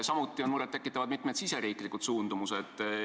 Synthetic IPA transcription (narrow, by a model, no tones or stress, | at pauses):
sɑmut̪ːˑio̞nmuɾed̪ekːˑit̪ːˑɑvɑd̪̥mit̪ːˑmed̪̥sise̞ɾiːkˑlikːut̪suːnd̪̥umused̪̥